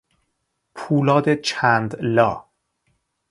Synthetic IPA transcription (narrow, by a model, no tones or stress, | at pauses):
pʰuːlɒːd̪et͡ʃʰænd̪lɒː